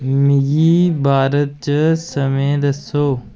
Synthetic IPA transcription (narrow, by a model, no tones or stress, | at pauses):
mɪɡiːbʱaːɾət̪̚t͡ʃəsəmẽːd̪əsoː